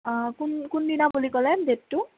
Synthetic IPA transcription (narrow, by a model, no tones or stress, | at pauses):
kunkundinabulikɔlɛdet̚tːu